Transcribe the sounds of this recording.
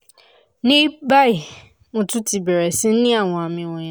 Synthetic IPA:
nɪ̃˦ba˦ɪ˨ | nʊ̃˨tʊ˦ti˨bɛ˨ɾɛ˨sɪ̃˦n̩˦nɪ̃˦a˨wɔ̃˨a˨mɪ̃˨wɔ̃˨ɲã˨

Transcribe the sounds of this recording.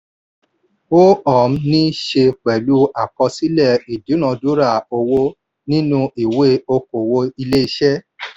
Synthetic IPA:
o˦ɔ˨m̩˦nĩ˦ʃe˧k͡pɛ˨lu˦a˦˨kɔ˧si˦lɛ˦˨i˨du˨˦nã˧du˦ɾa˦˨o˧wo˦ | nĩ˦nũ˦ʔi˨we˦o˧ko˨wo˧i˧le˦i˧ʃɛ˦

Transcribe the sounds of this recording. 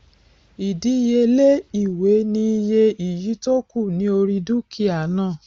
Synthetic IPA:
i˨di˨˦je˧le˦i˦˨we˨˦nĩ˧˦i˧je˧i˨ji˨˦to˦ku˦˨nĩ˦o˧ɾi˧du˦kʰi˦˨a˨˦nãː˦˨

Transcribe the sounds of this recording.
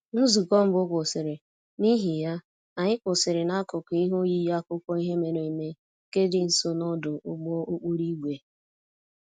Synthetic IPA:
n̩˦zu˨kɔ˦m̩˦bʊ˦kʷʊ˨sɪ˨ɾɪ˨ | ni˦ɦi˨ja˦ | a˨ɲɪ˦kʊ˨sɪ˨ɾɪ˨na˦kʊ˨kʊ˨i˦ɦo˦ji˦ja˦kʊ˦kʷɔ˦i˦ɦe˦me˨ɾe˨i˨me˦ | ke˦dɪ˨n̩˦so˦nɔ˦dʊ˨ʊ˦ɡ͡bo˦o˦k͡pu˦ɾi˦ɡʷe˨

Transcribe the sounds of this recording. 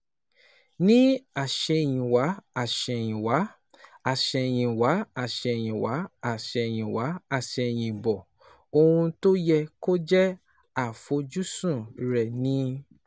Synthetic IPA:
nĩ˦a˦˨ʃɛ˧˨j̃ĩ˨wa˨˦a˦˨ʃɛ˧˨j̃ĩ˨wa˨˦ | a˦˨ʃɛ˧˨j̃ĩ˨wa˨˦a˨ʃɛ˧˨j̃ĩ˨wa˨˦a˦˨ʃɛ˧˨j̃ĩ˨wa˨˦a˦˨ʃɛ˧˨j̃ĩ˨bɔ˨ | o˧hũ˧to˦jɛ˧ko˦d͡ʒɛ˦ | a˦˨fo˨˧d͡ʒu˦sũ˦˨ɾɛ˨nĩ˨˦

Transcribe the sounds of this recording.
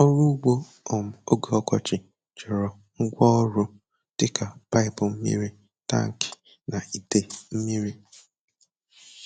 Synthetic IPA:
ɔ˦ɾu˦ɡ͡bo˦ | ɔ˨m̩˨o˦ɡo˨ɔ˦kɔ˨t͡ʃɪ˨ | t͡ʃɪ˨ɾɔ˨ | ŋ̩˦ɡʷɔ˦ɾʊ˦ | tɪ˦ka˨pa˦ɪ˨pʊ˨m̩˦mḭ˦ɾi˦ | ta̰˦˨ŋ̩˨kɪ̥˨ | na˨i˨de˨m̩˦mi˦ɾi˦

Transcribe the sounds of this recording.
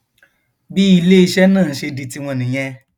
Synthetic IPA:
bi˦i˧le˦i˧ʃɛ˦nãː˦˨ʃe˧di˧ti˧w̃ɔ̃˧nĩ˨j̃ɛ̃˧

